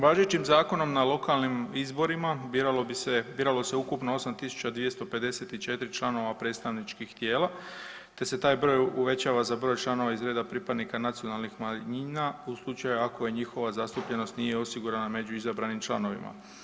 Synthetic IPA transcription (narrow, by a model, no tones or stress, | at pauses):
ʋaːʒet͡ʃimzaːko̞no̞mnalˠo̞kalnimizbo̞ɾimabiɾalobisebiːɾalo̞se̞ukupnoo̞samt̪isu̥t͡ɕad̪ʋije̞st̪o̞pe̞d̪e̞se̞t̪it͡ʃe̞t̪ɾit͡ʃlˠano̞ʋapɾe̞ːt̪st̪aʋnit͡ʃkixt̪je̞ːlˠa | t̪e̞se̞t̪aːjbɾo̞ːjuʋe̞t͡ɕaːʋazabɾo̞ːjt͡ʃlˠano̞ʋaizɾe̞ːd̪apɾipad̪nikanat̪sijo̞nalˠnixmaɲiːnauslˠut͡ʃajuakojeɲixo̞ʋazast̪upʎe̞no̞st̪nijeo̞siɡuɾaname̞d͡ʑuizabɾanimt͡ʃlˠano̞ʋḭma̰